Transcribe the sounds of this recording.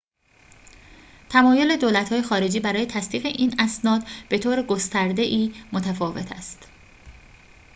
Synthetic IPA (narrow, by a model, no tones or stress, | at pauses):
t̪ʰæmɒːjo̞le̞d̪oːlæt̪hɒːje̞xɒːɾe̞d͡ʒiːbæɾɒːje̞t̪ʰæst̪iːɣe̞ʔiːnæsnɒːd̪b̥e̞t̪ʰoːɾeɡost̪æɾd̪e̞ʔiːmot̪ʰæfɒːve̞̰t̪ʰæ̰st̪